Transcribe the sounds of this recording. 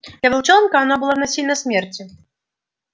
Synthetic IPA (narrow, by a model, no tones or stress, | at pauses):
ɐvɨlˠt͡ʂɔnkɐanɔbɨlˠɔnasʲinɐsʲmʲɛrt͡sʲi